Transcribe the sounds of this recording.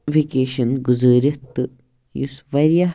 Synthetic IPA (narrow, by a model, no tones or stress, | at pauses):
ʋikeːʃɐnɡuzəːɾɐt̪ːɨ | jusʋɐɾijɐ